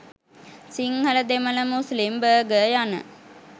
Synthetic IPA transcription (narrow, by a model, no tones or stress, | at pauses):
siŋhələd̪emələmuslimbəːɡəjanə̰